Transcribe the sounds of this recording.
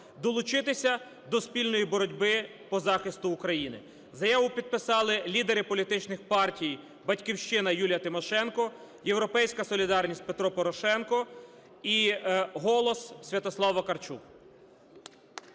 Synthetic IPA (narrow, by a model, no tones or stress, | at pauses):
d̪ɔlˠʊt͡ʃɪt̪ɪsʲɐ | d̪ɔspʲilʲnɔjibɔɾɔdʲbɪ | pɔzɑxɪst̪ʊːkɾɐjinɪ̰ | zɐjɑʋʊpʲid̪̚pɪsɑlˠɪlʲid̪eɾɪpɔlʲit̪ɪt͡ʃnɪxpɑrtʲij | bɐtʲkʲiwʃt͡ʃɪnɐjulʲjɐt̪ɪmɔʃɛnkɔ | jewɾɔpɛjsʲkɐsɔlʲid̪ɑrnʲisʲt̚ʲpet̪ɾɔpɔɾɔʃɛnkɔ | iɦɔlˠɔssʲʋʲɐt̪ɔslˠɑʋɐkɐrt͡ʃṵk